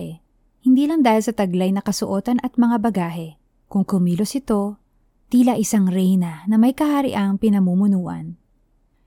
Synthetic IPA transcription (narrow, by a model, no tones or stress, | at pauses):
ɛ | hɪnd̪iːlɐŋd̪aːhɪlsɐt̪ɐɡlajnɐkɐsʊʔo̞ːt̪ɐnʔɐt̪̚mɐŋabɐɡaːɦɛ | kʊŋkʊmiːlosɪt̪o̞ | t̪iːlɐʔɪsaŋɾɛjnɐnɐmɐjkɐhaɾɪ̰ʔaŋpɪnɐmuːmʊnuːʔɐ̰n